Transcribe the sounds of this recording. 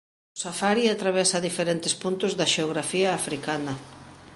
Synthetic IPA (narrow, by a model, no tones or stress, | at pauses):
ʊsafaɾiat̪ɾaβɛsɐðifeɾent̪ɪspunt̪ʊzðɐʃeoɣ̞ɾafiɐːfɾikanɐ